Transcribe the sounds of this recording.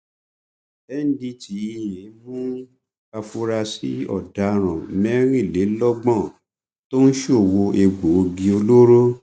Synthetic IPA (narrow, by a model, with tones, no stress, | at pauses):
ɛ˦n̩˦di˧ti˨˦i˦˧˨jɛ̃˨˦mũ˦ | a˧fu˧ɾa˧si˨˦ɔ̰˦˨da˨˦ɾ̃ã˨mɛ̃˦ɾ̃ĩ˦˨le˨˦lɔ˦ɡ͡bɔ̃˦˨ | to˦n̩˦ʃo˦˨wo˧ʔe˧ɡ͡bo˨˧ɡĩ˧o˧lo˦ɾo˦